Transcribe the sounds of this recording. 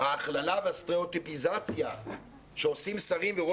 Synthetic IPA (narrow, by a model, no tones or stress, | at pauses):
haːχlalaveast̪ʁeot̪ipizat͡sja | ʃeosimsaʁimveʁo